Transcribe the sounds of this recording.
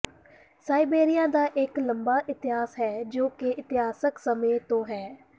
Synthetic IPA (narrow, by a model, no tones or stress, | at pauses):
saːibeːɾɪjaːd̪aːʔɪkləmbaːʔɪt̪ɪɦaːsɦɛːd͡ʒoːkeɪt̪ɪɦaːsəksəmẽːt̪õːɦɛː